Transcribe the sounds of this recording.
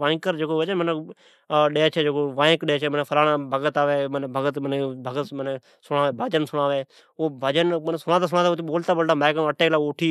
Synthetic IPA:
ʋãːkəɾd͡ʒeːkoːʋəd͡ʒənməne | ɗeːt͡ʃʰeːd͡ʒeːkoːʋãːkɗeeːt͡ʃʰeːməneːpʰəlaːnãːbʱəɡət̪aːʋeːmənːbʱəɡət̪mənebʱəɡət̪məne | sʊɽaːʋeːbʱəd͡ʒənsʊɽaːʋeː | oːbʱəd͡ʒənmənːsʊɽaːt̪aːs̬ʊ̃ɽaːt̪aot̪ːɓoːlt̪aːbəlɖaːmeːkəəʈeːlaːoːʈʰiː

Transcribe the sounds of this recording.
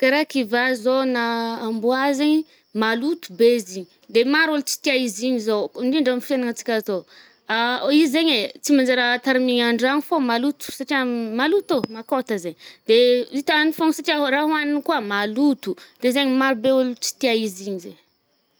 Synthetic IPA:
kaɾakivazonaːmbuazeɲi | malut̪u̥beziɲi | d̪emaɾult͡si̥t̪iaiziɲizondiɳɖ͡ʐamfenaŋat͡si̥kʲazo | aizeɲet͡simand͡ʒaɾat̪aɾimiɲaɳɖ͡ʐanifomalut̪u̥saʈ͡ʂiamalut̪omakot̪əzeɲd̪̥eit̪anifoŋsaʈ͡ʂiaɦraɦwaninikuamalut̪ud̪̥ezeɲimaɾubeulut͡si̥t̪iaiziɲizeɲ

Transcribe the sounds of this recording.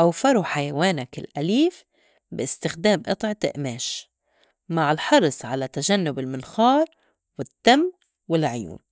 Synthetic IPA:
ʔawfɑɾˤuħajawaːnakɪlʔaliːf | bɪʔɪst̪ɪxd̪eːmʔɨ̰t̪ˤʕɪt̪ɪ̰ʔmeːʃ | maʕɪlħɑɾˤsˤʕalat̪aʒanːʊbɪlmɪnxɑːɾˤ | wɪt̪ːamː | wɪlʕjṵːm

